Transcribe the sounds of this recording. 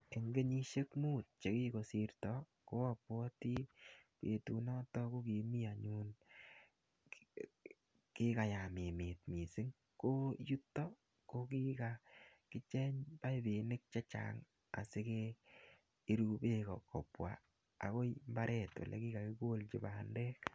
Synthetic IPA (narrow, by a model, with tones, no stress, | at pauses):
e˨ŋɡe˦ɲi˦ʃe˦kmu˦t̚t͡ʃe˨ki˦ko˨si˧ɾtɔ˦ | ko˦a˦˨pwɔ˦ti˦pe˨tu˨nɔ˦tɔ˦ko˦ki˨mi˦a˨ɲu˦n | ki˦ka˨ja˨mɪ˨mɪ˨t̚mi˨sɪ˦ŋ | ko˦ju˦tːɔ˦ | ko˦ki˦ka˨kɪ˦t͡ʃɛ˦ɲpa˦i˦be˨nɪ˦k̚t͡ʃa˦t͡ʃa̰˨ŋ | a̰˨sɪ˦keː˦ | ɾu˦be˦kɔ˨kɔ̰˨pwa̰˨ | a̰˨ko˦mba˦ɾʔɛ˦to̰˨lɛ̰˨ki˦ka˨kɪ˦ɡo˦lt͡ʃi˨ba˨ndɛ˦k